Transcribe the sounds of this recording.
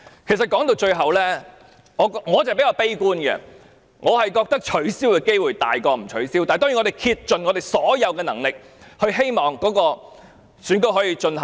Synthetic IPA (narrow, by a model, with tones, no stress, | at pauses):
kʰe˨˩s̬ɐ˨t̚kɔː˨˥ŋt̪o˧wt͡ʃɵ˧ɥɦɐ˨wlɛː˥ | ŋɔː˨˧ŋɔː˨˧t͡sɐ˨pe˨˥jaː˧wpe˥jkuː˥nɡɛ̰˧ | ŋʔɔː˨˧hɐ˨jkɔː˧k̚t̪ɐ˥k̚t͡ʃʰɵ˨˥ɥsiː˥wkɛː˧ke˥jwuː˨˩jt̪a̰ː˨jkɔː˧m̩˨˩t͡ʃʰɵ˨˥ɥsiː˥wt̪aː˨jt̪ɔː˥ŋy˨ŋɔː˨˧e˨jkʰi˧t̚t͡ʃɵ˨nŋɔ˨˧t̪e˨˩jsɔː˨˥jɐ˨˧wkɛː˧nɐ˨˩ŋlɪ˨k̚ | hɵ˧ɥɦe˥jmɔː˨˩ŋkɔː˨˥kɔː˧ | syː˨˧˥nkɵ˧jɦɔː˨˥jiː˧t͡ʃɵ˧nɦɐ˨˩